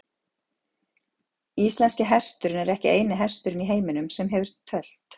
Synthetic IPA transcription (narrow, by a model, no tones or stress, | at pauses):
ist̪lɛnscɪɦɛst̪ʏɾʏnɛɾɛhcɪeːjnɪɦɛst̪ʏɾɪniɦeːjmɪnʏmsɛmɦɛvʏɾ̥t̪ʰːœl̥t̪